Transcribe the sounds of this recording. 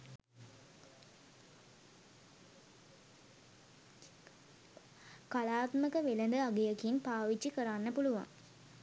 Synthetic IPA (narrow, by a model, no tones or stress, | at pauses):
kalaːt̪məkəʋelənd̪əaɡejəkinpaːʋit͡ʃːikəɾanːəpuluʋa̰ŋ